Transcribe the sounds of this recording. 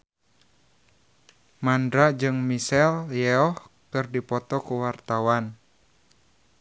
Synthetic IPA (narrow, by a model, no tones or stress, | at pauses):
mandɾad͡ʒɨŋmisɛljɛɔhkɨrdipɔt̪ɔkuwart̪awan